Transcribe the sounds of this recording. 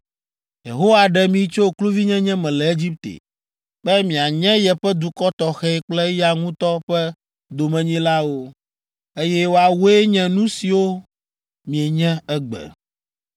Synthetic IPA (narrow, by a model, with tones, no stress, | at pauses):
jḛ˨ɦo˦wa˨ɖɛ˨mĩ˨˦t͡ʃo˦klu˦vi˦ɲɛ̃˦ɲɛ̃˦mɛ̃˨lɛ˨e˦d͡ʑi˦p̚t̪ḛ˨ | bɛ˦mĩ˨a˨ɲɛ̃˦jɛ˨ɸɛ˦d̪u˨kɔ˦t̪ɔ˨xɛ˦ɛ˦k͡plɛ˦ja˨ŋũ˦t̪ɔ˦ɸɛ˦ | d̪o˨mɛ̃˨ɲĩ˦la˦wo˦ | e˦jɛ˦wo˨˦a˨wo˦e˦ɲɛ̃˨nũ˦si˨wo˦ | mĩ˨ɛ˨ɲɛ̃˦ɛ˦ɡ͡bɛ̰˨